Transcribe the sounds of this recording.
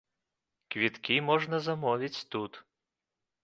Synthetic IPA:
kvʲit̪kʲimɔʐnɐzamɔvʲit͡sʲt̪ut̪

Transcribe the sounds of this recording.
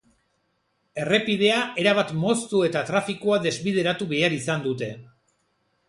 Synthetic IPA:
e̞re̞piðe̞aʔe̞ɾaβ̞at̪mo̞st̪ue̞t̪at̪ɾafikoaðe̞zβið̞e̞ɾat̪uβe̞aɾisand̪ut̪e̞

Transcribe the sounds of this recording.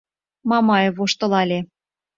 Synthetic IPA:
mɑmɑjɤ̆voʃt̪ɤ̆lɑlʲe

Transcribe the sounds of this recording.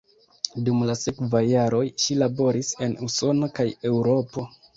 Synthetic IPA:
dumlase̞kvajːaɾo̞jʃilabo̞ɾise̞nuso̞nokaje̞wɾo̞po̞

